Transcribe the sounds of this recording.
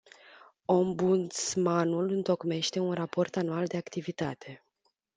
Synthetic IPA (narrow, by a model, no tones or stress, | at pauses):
o̞mbut̪smanulɨnt̪o̞kme̞ʃt̪e̞unrapo̞rt̪anuald̪e̞akt̪ivit̪at̪ʰe̞